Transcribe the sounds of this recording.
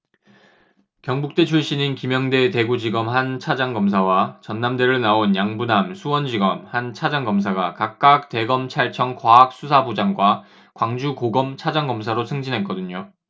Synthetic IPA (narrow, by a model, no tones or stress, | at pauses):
kjʌŋbuk̚t͈e̞t͡ɕʰuɭɕ͈ininkimjʌŋde̞te̞ɡud͡ʑiɡʌmɦant͡ɕʰad͡ʑaŋɡʌmsʰawat͡ɕʌnːamde̞ɾɯɭnaonjaŋbunamsʰuwʌnd͡ʑiɡʌmhant͡ɕʰad͡ʑaŋɡʌms̬ʰaɡakak̚k͈ak̚te̞ɡʌmt͡ɕʰaɭt͡ɕʰʌŋkwaɦak̚s͈usʰabud͡ʑaŋɡwa | kwaŋd͡ʑukoɡʌmt͡ɕʰad͡ʑaŋɡʌms̬ʰaɾosʰɯŋd͡ʑinɦe̞t̚k͈ʌdɯɲo